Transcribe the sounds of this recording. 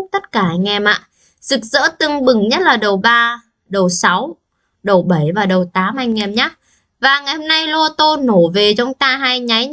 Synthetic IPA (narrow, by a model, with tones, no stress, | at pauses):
k͡p̚t̪ə˦˥t̚kaː˧˩ʔa˧ŋɛ˧˩mʔa̰ː˧˨ | zɨ˨˩k̚zə̰ː˧˥t̪ɨ˧˩ŋɓɨ˨˩ŋɲə˦˥t̚laː˨˩ɗə˨˩wɓaː˧ | ɗə˨˩wsa˨˦w | ɗə˨˩wɓə˧˩jvaː˨˩ɗə˨˩wt̪aː˨˦mʔa˧jŋ̟ːɛ˧˩mɲaː˨˦˥ | vaː˨˩ŋa˨˩jho˧mna˧jlo˧t̪o˧no˧˩ve˨˩t͡ɕɔ˧wŋ͡mt̪aː˧ɦaː˧jɲa˨˦j